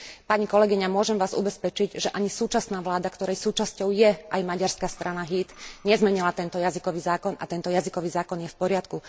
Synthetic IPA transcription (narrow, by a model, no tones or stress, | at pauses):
paɲikɔlɛɡiɲamʊɔʒɛmʋaːzṵbɛspɛt͡ʃiɟʒɛʔaɲisuːt͡ʃasnaːʋlaːd̪akt̪ɔɾɛjsuːt͡ʃascɔʊjɛʔajmaɟaɾskast̪ɾʔanaɦit̪ɲɛzmɛɲilat̪ɛnt̪ɔjazikɔʋiːzaːkɔna̰t̪ɛnt̪ɔjazikɔʋiːzaːkɔnjɛfpɔɾɪat̪ku